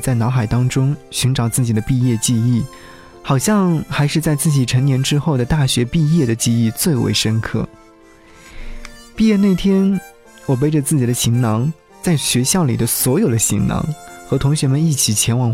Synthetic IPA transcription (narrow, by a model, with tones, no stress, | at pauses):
t͡sa˥˩ɪnɑ˧˥ʊxa˨˩ɪt̪ɑ˥ŋʈ͡ʂʊ˥ŋɕy˧˥ŋʈ͡ʂɑ˨˩ʊt͡sɹ̩˥˩t͡ɕi˨˩d̪ə˦pi˥˧jɛ˥˧t͡ɕi˥˧i˥˩ | xɑ˨˩ʊɕjɑ˥˧ŋxa˧˥ɪʂɻ̩˥˧t͡sa˥˧ɪt͡sɹ̩˥˩t͡ɕi˨˩ʈ͡ʂʰɤ˧˥ŋnjɛ˧˥nʈ͡ʂɻ̩˥xo˥˩ʊd̪ə˩t̪a˥˩ɕɥɛ˧˥pi˥˧jɛ˥˩d̪ə˩t͡ɕi˥˧i˥˩˧t͡swe˥˩ɪwḛ˧˥ɪʂə˥nkʰɤ̰˥˩ | pi˥˧jɛ˥˧ne˥˩ɪt̪ʰjɛ˥n | wɔ˨˩p̬e˥ɪʈ͡ʂə˨t͡sɹ̩˥˩t͡ɕi˨˩d̪ə˦ɕi˧˥ŋnɑ˧˥ŋ | t͡sa˥˩ɪɕɥɛ˧˥ɕjɑ˥˩ʊlḭ˨˩d̪ə˦swɔ˧˥jo˨˩ʊd̪ə˦ɕi˧˥ŋnɑ̰˧˥ŋxɤ˧˥t̪ʰʊ˧˥ŋɕɥɛ˧˥mə˧ni˥˩t͡ɕʰi˨˩t͡ɕʰjɛ˧˥nwɑ˨˩ŋ